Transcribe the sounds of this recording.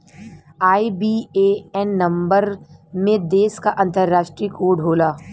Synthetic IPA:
aːibiːeːɛnːɐ̃mbəɾmẽd̪eːskaʔɐ̃nt̪əɾːaːʃʈɾiːkʰoːɖʱɦoːlaː

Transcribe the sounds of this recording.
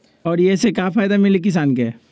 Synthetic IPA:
ɔːɾjesekjafaːjd̪amɪlek̬ɪs̬aːnkeɛ

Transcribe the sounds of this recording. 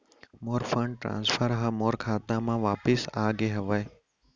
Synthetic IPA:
moːɾfʰə̃ɳɖ̚ʈɾã̰ːnsfʰəɾɦamoːɾkʰaːt̪ãmãːʋaːpɪsaːɡeɦɐʋəe

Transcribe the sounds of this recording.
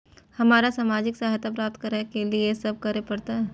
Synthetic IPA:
hɐmaːɾasaːmaːd͡ʒɪksaɦjt̪apɾaːp̚t̪kɐɾakeliesɐb̚kɐɾepɐɾt̪aɦɛ

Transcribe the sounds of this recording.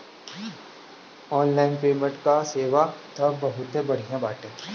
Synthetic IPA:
ɔːnlaːɪnpeːmə̃ɳʈkaseːʋat̪ɐbbɐɦʊt̪ɦẽbɐɽ̤ijãbaːʈẽː

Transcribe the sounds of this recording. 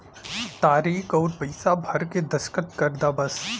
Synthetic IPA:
t̪aːɾiːkʰɔːɾpɐɪsabʱɐɾked̪ɐskət̪kɐɾd̪abɐs

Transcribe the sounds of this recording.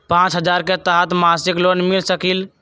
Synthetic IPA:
pãt͡ʃɦəd͡ʒaːɾket̪aɦət̪masɪklonmilsəkil

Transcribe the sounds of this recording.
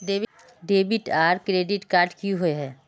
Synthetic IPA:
ɖeːb | ɖeːbɪʈaːɾkɾeːɖɪʈkaːɾʈkiɦoeɦɛː

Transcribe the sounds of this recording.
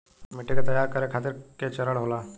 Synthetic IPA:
miʈːekat̪əjːaːɾkəɾekʰat̪ɪɾket͡ʃəɾəɽɦola

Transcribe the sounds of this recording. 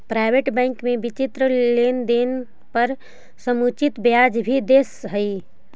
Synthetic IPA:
pɾaːɪʋeːʈbɛ̃ːŋkmẽbɪt͡ʃɪt̪ɾəleːnd̪eːn | pɐɾ | səmuːt͡ʃɪt̪bjaːd͡ʒbʱid̪eːsɦəi

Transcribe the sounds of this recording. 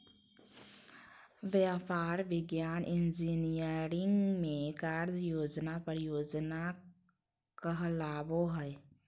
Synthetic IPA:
ʋjaːpaːɾʋɪɡjaːnʔɪnd͡ʒinijəɾɪ̃ŋɡmẽkaːɾd͡ʒjoːd͡ʒnapəɾjoːd͡ʒna | kəɦlaːboɦɛɛ

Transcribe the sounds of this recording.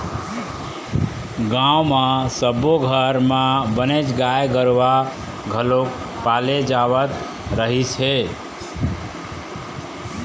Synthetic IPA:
ɡãumãsəboɡʱəɾmabənet͡ʃɡajɡəɾʋa | ɡʱəlok | paled͡ʒaʋət̪ | ɾəɦit͡ʃʰe

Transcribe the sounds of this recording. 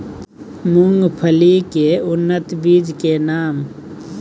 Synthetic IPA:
mʊŋɡpʰəlikeʊnːət̪biːd͡ʒkenaːm

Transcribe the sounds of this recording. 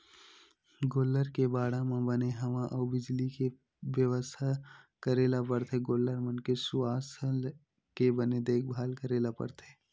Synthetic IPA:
ɡoːlːəɾkebaːɽamãbəneɦɐʋãʔɔːbɪd͡ʒlike | ʋjəʋəst̪ʰa | kəɾeːlapəɾt̪ʰeɡoːlːəɾmənkesʊaːs | kebəned̪eːk̚ʰbʱaːlkəɾeːlapə̰ɾt̪ʰeː

